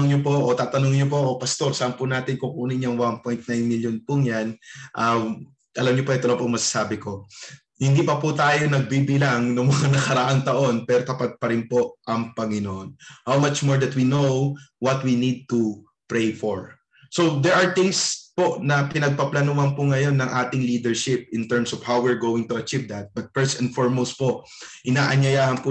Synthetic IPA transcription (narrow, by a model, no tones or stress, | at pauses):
ŋɲopoʔot̪aːt̪ɐnoŋɲop̬o̞ʔopɐst̪o̞ɾsaʔanpʊnaːt̪ɪnkʊŋkuːnɪɲoŋwanpojnt̪̚najnmiljonpʊŋjanʔa | ʔɐlamɲopoʔɐjt̪olopoŋmɐsḁsaːbɪko̞ | hɪnd̪iːpɐpʊt̪aːjo̞nɐɡ̚bibɪlaŋnʊŋmɐŋanɐkɐɾɐʔaŋt̪ɐʔo̞npɛːɾot̪ɐpad̪̚pɐɾɪnpo̞ʔʔɐŋpɐŋɪnoʔonhawmɐt͡ʃmoɹd̪ɐt̪winowwɐt̪winid̪̚t̪u | pɹejfoɹ | sod̪ɛɹʔɐɹt̪ɪ̃ŋspo̞ʔnɐpɪnɐɡ̚pɐplɐnuhɐnpʊŋɐjo̞nːɐŋʔaːt̪ɪŋliːd̪ɛɹʃɪp̚ɪnt̪ɛɹmsɔv̥hawwɪɹɡoːwɪŋt̪ʊʔɐt͡ʃivd̪ɐt̪̚b̥ɐt̪̚fɛɹsɛnfoɹmowst̪̚po̞ʔ | ʔɪnaːʔɐɲɐjaːhɐnpʊ